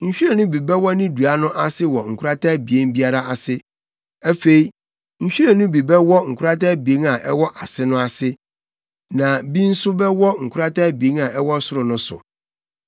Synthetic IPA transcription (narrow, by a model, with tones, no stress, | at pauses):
ɲ̩˨ɕᶣi˦ɛ˨nʊ̃˦bi˨bɛ˦wɔ˦nɪ̃˦du˨a˦nʊ̃˦ʔa˦sɪ˦wɔ˨ŋ̩˨kʰʊ˦ɾa˦tʰa˦bi˨e˦nbi˦a˦ɾa˦a˨sɪ˦ | æ˦fe˨i˦ | ɲ̩˨ɕᶣi˦ɾɛ˨nʊ̃˦bi˨bɛ˦wɔ˦ŋ̩˨kʰʊ˦ɾa˦taː˦bi˨e˦ŋa˨ʔɛ˦wɔ˦ʔa˨sɪ˦nʊ̃˦a˨sɪ˦ | nã˨bĩ˦n̩˦sʊ˦bɛ˦wɔ˦ŋ̩˨kʰʊ˦ɾa˦tʰa˦bi˨e˦na˨ɛ˦wɔ˦sʊ˦ɾʊ˨nʊ̃˦sʊ̰˨